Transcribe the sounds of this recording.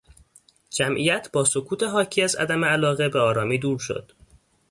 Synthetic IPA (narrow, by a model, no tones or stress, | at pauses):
d͡ʒæmʔijæt̪ʰbɒːso̞kʰuːt̪ʰe̞ɦɒːcʰiːæzæ̰d̪æmeælɒːɣebeɒːɾɒːmiːd̪uːɾʃo̰d̪̥